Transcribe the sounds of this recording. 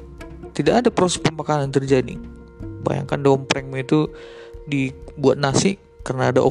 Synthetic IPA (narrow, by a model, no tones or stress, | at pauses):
t̪idaʔːdapɾosɛ̥pəmakanant̪ərd͡ʒadḭ | ba̰ja̰ŋkandompɾɛŋmait̪u | dibuat̪̚nasɪ | kərənaːdaʔo̰